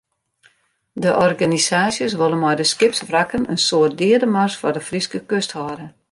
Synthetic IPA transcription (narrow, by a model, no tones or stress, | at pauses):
dəʔɔrɡanisaːsjəs̬ʋolˠənmɔjdəskɪpsʋrakənənsoːət̚dɪədəmarsfɔrdəfriskəkøsthɔːdə